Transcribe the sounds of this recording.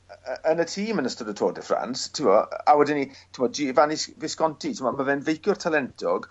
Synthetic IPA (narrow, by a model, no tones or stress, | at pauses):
əʔənətʰiːmənəstʊdətʰo̰ːdɛfra̰nstʰɪwɔawɛdɪnitʰɪmɔddivanɪsvɪskɔntʰitʰɪmɔmavɛnvejkʰjʊr̥tʰalɛntʰɔɡ̥